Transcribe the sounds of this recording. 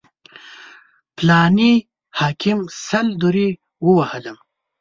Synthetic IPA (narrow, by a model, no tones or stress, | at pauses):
plɑːni | hɑːkʰimsɐld̪uɾi | wəwɐhələm